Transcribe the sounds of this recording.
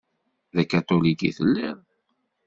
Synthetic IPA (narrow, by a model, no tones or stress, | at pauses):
ðækːæt̪ˤolikḭθə̰lːɪɾ